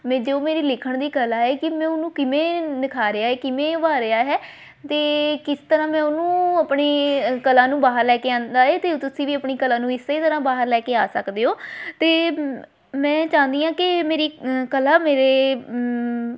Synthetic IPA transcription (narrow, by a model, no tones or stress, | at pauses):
mẽːd͡ʒooːmeːɾiːlɪkʰəɳd̪iːkəlaːɦɛːkɪmɛ̃ːʊnũːkɪmẽːnɪkʰaːɾɪaːɦɛːkɪmẽːʋaːɾɪaːɦɛː | t̪eːkɪst̪əɾãːmɛ̃ːʊnũːəpɳeːkəlãːnũːbaːɦəɾlɛːkeːãːnd̪aːɦɛːt̪eːt̪ʊsĩːʋiːəpɳiːkəlãːnũːɪsːəiːt̪əɾãːbaːɦəɾlɛːkeːaːsəkd̪eːɦoːt̪eː | mɛ̃ːt͡ʃãːnd̪iːãːkɪmeːɾiːkəlaːmeːɾeː